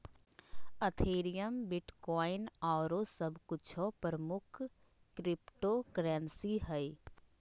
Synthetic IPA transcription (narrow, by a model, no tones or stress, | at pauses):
ət̪ʰeːɾijəmbɪʈkɔːɪnɔːɾosəbkʊt͡ʃʰɔpɾəmʊkʰ | kɾɪpʈoːkɾɛːnsiɦɛi